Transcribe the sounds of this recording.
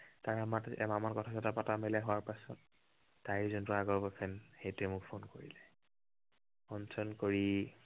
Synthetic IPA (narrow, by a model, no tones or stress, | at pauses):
taɹamatɛ̰mamankɔtʰazatapatamɛlɛɦʊwaɹpasɔtː | ajizɔntɔaɡɔɹbapʰɛnxejtuɛmʊkpʰonkoɹḭlɛ | ɔnsɔnkoɹi